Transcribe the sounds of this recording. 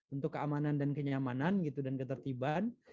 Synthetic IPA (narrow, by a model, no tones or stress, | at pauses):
unt̪ʊkːəamanandankəɲamananɡit̪udankət̪ərt̪iban